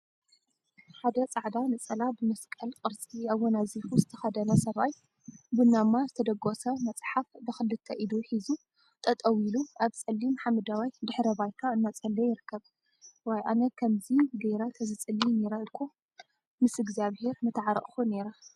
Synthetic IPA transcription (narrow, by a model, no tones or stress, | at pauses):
ħad̪ɐt͡sʼaʕd̪anɨt͡sʼɐlabɨmɐskʼɐlkʼɨɾt͡sʼiaβːɔnazifuzɨt̪ʰɐ̥xɐd̪ɐnɐsɐβaj | bɨnːamːazɨt̪ʰɐd̪ɐɡosɐmɐt͡sʼħafbɨxɨlːɨt̪ʰːɐʔid̪uħizu | t̪ʰʼɐt̪ʼɐwiluaβt͡sʼɐlːimħamɨd̪awajd̪ɨħɾɐbajt̪ʰaɨnːat͡sʼɐlːɐjɪɾɨkʰːɐβ | wɔjʔa̰nɐkʰɐmziɡɐjɾat̪ʰɐzɨt͡sʼɨlːineɾɐɨlkʰo | mɨsɨɡziaβheɾnɨt̪ʰɨʕaɾ̰ʔʼxuneɾa